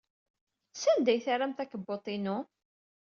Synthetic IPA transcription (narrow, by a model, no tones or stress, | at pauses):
sænd̪æjθaɾamt̪ækəbːot̪ˤinʊ